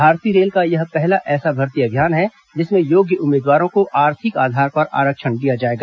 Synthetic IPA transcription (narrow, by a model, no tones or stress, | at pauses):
bʱaːɾt̪iɾeːlkajɐɦpɛɦlaʔɛːsabʱɐɾt̪ijabʱjaːnɦɛ | d͡ʒɪsmẽjoːɡjəʔʊmːeːd̪waːɾõkoʔaːɾt̪ʰɪkaːd̪ʱaːɾpɐɾa̰ːɾəkʃənɖijad͡ʒaːeːɡaː